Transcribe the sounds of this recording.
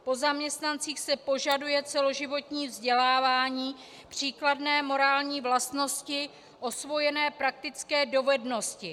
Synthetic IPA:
po̞zamɲɛst̪nant͡siːxsɛpo̞ʒadujɛt͡sɛlo̞ʒɪvo̞t̪ɲiːvzɟɛlaːvaːɲiː | pr̝̥iːkladnɛːmo̞ɾaːlɲiːvlast̪no̞scɪ | ʔo̞svo̞jɛnɛːpɾak̚t̪ɪt͡skɛːdo̞vɛdno̞scɪ

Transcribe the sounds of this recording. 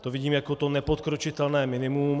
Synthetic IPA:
t̪ovɪɟiːmjakot̪onɛpot̪̚kɾot͡ʃɪt̪ɛlnɛːmɪnɪmum

